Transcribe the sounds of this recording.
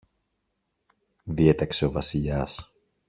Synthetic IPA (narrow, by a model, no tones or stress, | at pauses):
ðie̞t̪ɐkse̞o̞vɐsiʎɐs